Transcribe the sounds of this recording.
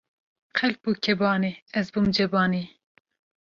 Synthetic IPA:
qʰɛlp̚uːkʲʰɛbɑːniɛzbumd͡ʒɛbɑːniː

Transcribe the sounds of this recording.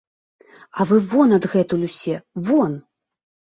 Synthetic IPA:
ɐvɨvɔnɐd̪ɣɛt̪ulʲusʲɛvɔn

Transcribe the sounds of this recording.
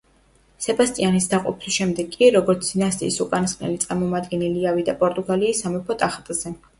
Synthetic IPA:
sɛbast̪ʼianisd̪aqʼɔpʰisʃɛmd̪ɛɡkʼːiɾɔɡɔɾt̪sʰnasʼḭːsukʼanisχʼnɛ̰lit̪sʼaɾmɔmad̪ɡɛniliavid̪apʼɔɾt̪ʼuɡaliːsːamɛpʰɔt̪ʼaχt̪ʼz̥ɛ

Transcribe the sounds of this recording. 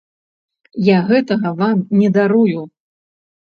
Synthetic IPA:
jaɣɛt̪ɐɣɐvamnʲɛd̪aɾuju

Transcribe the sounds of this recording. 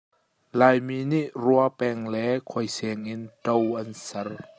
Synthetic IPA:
laːjminiʔruapɛŋlɛkʰɔjsɛŋintowʔɐnsɐr

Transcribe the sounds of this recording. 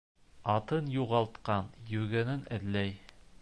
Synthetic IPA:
ɑt̪ɤnjuʁɑlˠt̪qɑnjɵɾɡænɘnæ̆ðlæj

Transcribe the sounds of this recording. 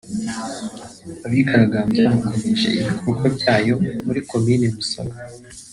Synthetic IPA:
aβikaɾaɡaːmzaβakomeʒe̞̰iβikuukobɟaːjomuɾiko̞minemusa̰ɡa

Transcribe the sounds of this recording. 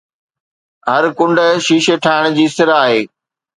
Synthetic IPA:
ɦɐɾkʊ̃ɳɖə̆ʃiːʃeʈʰaːɪɽ̃d͡ʑiːsɪɾaːɦeː

